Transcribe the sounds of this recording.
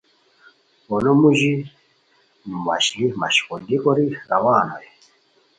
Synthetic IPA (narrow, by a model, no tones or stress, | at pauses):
wɔnɔmuʒi | mma̰ʃlima̰ʃi̥kɔdikɔɾiɾawaːnɔ̰jɛ